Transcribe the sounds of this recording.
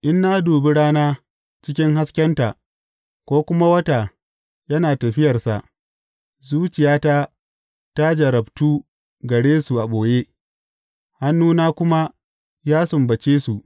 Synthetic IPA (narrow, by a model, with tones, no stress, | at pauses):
ʔɪ˦nːa˦duː˨bi˦ɽaː˦naː˦ | t͡ʃɪ˦kʲɪ˦ŋɦa˦skʲɐ˦nta˨ʔ | kʷoː˦kʷʊ˦ma˦wɐ˦ta˨ | jɐ˦naː˨tɐ˨ɸɪ˦jɐ˨rsa̰˨ʔ | zuː˦t͡ʃɪ˨jaː˦ta˦ | ta˦d͡ʒɐ˨ɾɐ˨btuː˦ | ɡɐ˨ɽeː˦su˨ʔa˨ɓoː˨je˦ | ha˦nːuː˦naː˦kʷʊ˦ma˦ | jaː˦sʊ˨mbɐ˨t͡ʃeː˦su˨ʔ